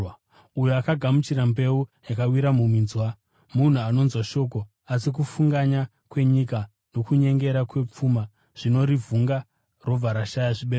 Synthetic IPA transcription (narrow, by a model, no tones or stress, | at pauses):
ujuakaɡʱamut͡ʃiɾambe̞ujakawiɾamuminzwa | mun̤uano̞nzwaʃo̞k̬o̞ | asikufuŋɡaɲa | kwe̞ɲika | no̞kuɲe̞ŋɡe̞ɾakwe̞p͡fuma | ʐ̥ino̞ɾivuŋɡa | ro̞b͡vaɾaʃajaʐiɓe